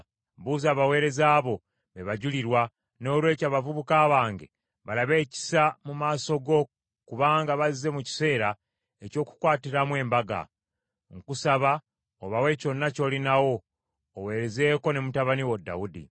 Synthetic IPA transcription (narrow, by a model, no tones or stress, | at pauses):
βuːzaːβawe̞ːɾe̞zaːβo̞ | βeβaɟuliɾwa | no̞ːlwe̞ːcaːβavuβukaːβaːŋɡe̞ | βalaβe̞ːci̥samumaːso̞ɡo̞ | kuβaːŋɡaβazize̞muci̥se̞ːɾa | e̞co̞ːku̥kwaːtiɾamwe̞ːmbaɡa̰ | ŋkusaβa | oβawe̞co̞nːaco̞ːlinawo̞ː | we̞ːɾe̞ze̞ːko̞ne̞mutaβaniwodːa̰wudḭ